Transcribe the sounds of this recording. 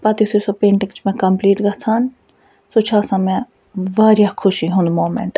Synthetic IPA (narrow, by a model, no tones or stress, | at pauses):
pɐt̪it̪ʰusɐpẽːɳʈɪŋt͡ʃʰmɛ̃kɐmpliːʈɡɐt͡sʰaːn | sot͡ʃʰaːsãmɛ̃ | ʋaːɾjakʰʊʃiɦũnd̪moːmḛ̃ɳʈ